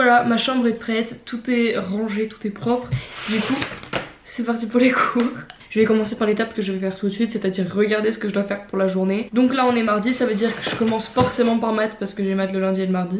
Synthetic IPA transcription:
vwalamaʃɑ̃bʁɛpχɛt̪ːut̪ɛʁɑ̃ʒet̪u̥t̪ɛpχɔpχd̪yku | sɛpaʁt̪ipuʁlekʰuʁʒ̥əvɛkɔmɑ̃sepaʁlet̪apkəʒəvɛfɛʁt̪ut̪sɥit̪set̪ad̪iʁːəɡaʁd̪esə̥kəʒəd̪wafɛʁpuʁlaʒuʁned̪ɔ̃klaɔ̃nɛmaʁd̪isavød̪iʁkəʒəkɔmɑ̃sfɔʁsemɑ̃paʁmat̪χpaʁsə̥kəʒemat̪ləlɛ̃d̪ieləmaʁd̪i

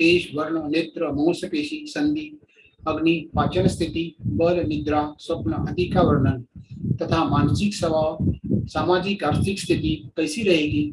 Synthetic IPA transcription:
keːʃʋɐɾɳəneːt̪ɾəmɐ̃wsɐpeːʃisɐnd̪iː | ɐɡnipaːt͡ʃɐnst̪ʰit̪ibɐlnid̪ɾaːsɐpnɐʔɐd̪ikaʋɐɾɳɐnt̪ɐt̪ʰamaːnsiksɐbaːsaːmaːd͡ʒikaɾt̪ʰikst̪ʰit̪ikɐjsiɾɐɦeːɡiː

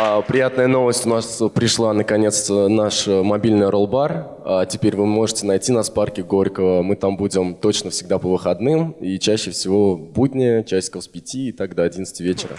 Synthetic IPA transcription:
əpɾʲɪjat̪nəjəno̞vəsʲtʲʊnaspɾʲɪʂlˠanəkɐnʲe̞t̪st̪ənaʂmɐbʲilʲnɨjɾolˠbar | ətʲɪpʲeɾʲvɨmo̞ʐɨtʲɪnɐjtʲinɐsparkʲɪɡo̞ɾʲkəvəmɨt̪ambudʲɪmt̪o̞t͡ɕnəfsʲɪɡ̚d̪apəvɨxɐd̪nɨmit͡ɕæɕːɪfsʲɪvo̞bud̪ʲnʲɪjət͡ɕæsʲt̪ʲkəspʲɪtʲiːt̪aɡd̪əɐdʲint̪stʲɪvʲet͡ɕɪɾə̰

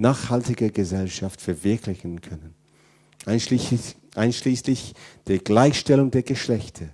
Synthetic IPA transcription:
naːχhaltɪɡɐɡəzɛlʃaftfɛɐvɪɐklɪçn̩kʰœnən | ʔaɪnʃliːslɪçd̥eːɐɡlaɪçʃtɛlʊŋdeːɐɡəʃlɛçtʰɐ

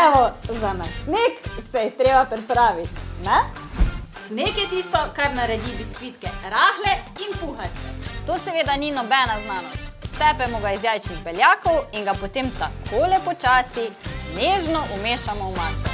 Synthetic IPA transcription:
ɛʋɔzanasneksɛjɛt̪ɾeːbapɾipɾaːʋit̪nɛ | snekjɛt̪iːst̪ɔkaɾnaɾɛd̪ibiskʋit̪kɛɾaːxlɛinpuxaɾst̪ɛ̰t̪oːsɛʋeːd̪aninɔbɛnaznaːnɔst̪ɛːpɛmɔɡaizjaːjt͡ʃniɣbɛljaːkɔwiŋɡapɔt̪eːmt̪akʰoːlɛpɔt͡ʃaːsineːʒnɔʔumeːʃamɔwmaːsɔ

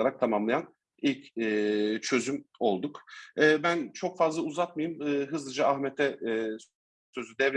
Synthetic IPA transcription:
aɾak̚t̪ʰamamlˠajan | ilʲcɛːt͡ʃʰø̞zymo̞lˠd̪ukɛːbænt͡ʃʰo̞kfazlˠauzat̪̚majɯmɯːɦɯzlˠɯd͡ʒaahmɛt̪ʰɛ | sø̞zyd̪ɛv

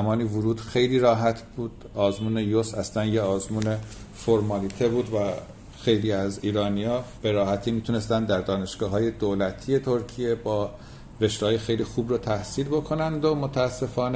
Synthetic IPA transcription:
mɒːniːvuɾuːd̪̥xe̞jliːɾɒːɦæt̪ʰb̥uːd̪̥ɒːzmuːne̞josæslænjeɒːzmuːne̞foɾmɒːlit̪ʰebuːd̪væ | xe̞jliːæziːɾɒːnijɒːb̥e̞ɾɒːhæt̪ʰiːmiːt̪ʰune̞st̪ænd̪d̪æɾd̪ɒːne̞ʃɡ̥ɒːɦɒːje̞d̪olæt̪ʰije̞t̪ʰo̞ɾcʰije̞bɒː | ɾe̞ʃt̪ɒːjexe̞jliːxuːbɾot̪ʰæhsiːlbo̞kʰo̞nænd̪omot̪ʰæːsːe̞fɒːn

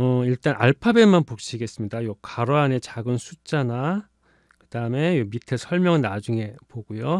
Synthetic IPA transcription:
ʌiɭt͈anʔa̰ɭpʰabemanpok̚ɕ͈ʰiɡe̞s͈ɯmɲidajokaɾoane̞t͡ɕaɡɯnsʰut͡ɕ͈ana | kɯd̥aɯme̞omitʰesʰʌɭmjʌŋnad͡ʑuŋe̞poɡujo

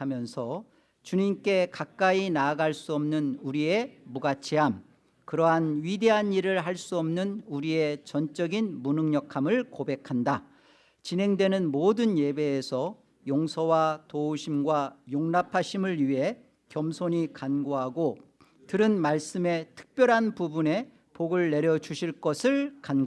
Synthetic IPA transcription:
amjʌnsʰʌ | t͡ɕuɲimk͈e̞kak̚k͈ainaːɡaɭs͈uʌmnɯnuɾie̞muɡat͡ɕʰiɦam | kɯɾʌɦanɥide̞ɦaniɾɯɭɦaɭs͈uʌmnɯnuɾie̞t͡ɕʌnt͡ɕ͈ʌɡinmunɯŋɲʌkʰamɯɭkobe̞kʰanda | t͡ɕinɦeŋdwe̞nɯnmodɯnje̞be̞ːsʰʌ | joŋsʰʌwatouɕʰimɡwajoŋnapʰaɕʰimɯɭɥiɦe̞ | kjʌmsʰoɲikanɡoɦaɡo | tɯɾɯnmaɭs͈ɯme̞tʰɯ̥k̚p͈jʌɾɦanpubune̞ | poɡɯɭːe̞ɾjʌd͡ʑuɕʰiɭk͈ʌsʰɯɭkanɡ

